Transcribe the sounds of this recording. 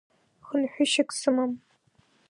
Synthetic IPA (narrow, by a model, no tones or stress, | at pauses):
χənħʷᶣʊʃɪkʼsɨmam